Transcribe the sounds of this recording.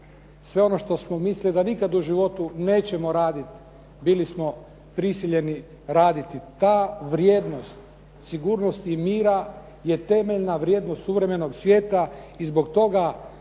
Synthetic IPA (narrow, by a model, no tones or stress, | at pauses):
sʋe̞o̞no̞ʃt̪o̞smomislid̪anikad̪uʒiʋo̞t̪une̞ːt͡ɕe̞mo̞ɾaːd̪it̪ | bilismo̞ | pɾisiʎe̞ni | ɾaːd̪it̪it̪aːʋɾje̞ːd̪no̞st̪ | siɡuːɾno̞st̪imiːɾa | je̞t̪e̞me̞ʎnaʋɾje̞ːd̪nost̪suʋɾe̞me̞no̞ɡsʋʲje̞ːt̪aizbo̞kt̪o̞ɡa